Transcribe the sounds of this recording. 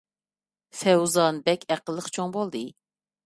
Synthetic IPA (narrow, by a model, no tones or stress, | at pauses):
sɛwzɑnɨbɛkʲʰæqəlˠːəχt͡ʃʰoŋbolˠd̪ɨ